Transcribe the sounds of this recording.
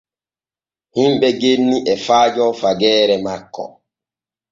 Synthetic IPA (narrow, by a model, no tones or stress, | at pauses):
himɓɛɡenːiʔɛfaːd͡ʒɔfaɡɛːɾɛmakːɔ̰